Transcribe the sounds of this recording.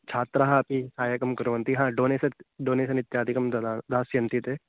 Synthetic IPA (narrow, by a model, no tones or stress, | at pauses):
t͡ʃʰaːt̪ɾɐɦaɐpiaːjɐkɐmkɐɾuʋɐnt̪iɦãːɖoːneːsɐɖoːneːs̬ɐnit̪jaːd̪ʱikɐmd̪d̪aːsjɐnt̪it̪e